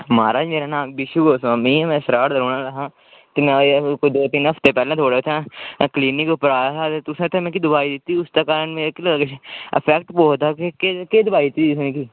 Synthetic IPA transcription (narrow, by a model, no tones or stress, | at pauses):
maːɾaːd͡ʒmeːɾaːnãːbɪʃuɡoːsãːmĩːmɛ̃ːsɾaːɽd̪əɾoːnãːlaɦãː | t̪eːmɛ̃ːkːd̪oːt̪iːnəpʰt̪eːpɛːlãːt̪ʰoːɽeːʊt̪ʰãːkliːnɪkʊpɾaːɦaːt̪eːt̪ʊsãːt̪ʰːẽmɛ̃ːk̬id̪ʊbaːiːd̪ɪt̪ːiːʊst̪aːkaːɾənmeːkləɡt͡ʃə̰pʰɛːkʈpoːt̪aːkekekeːd̪ʊbaːid̪ɪt̪ːiːsnẽːkiː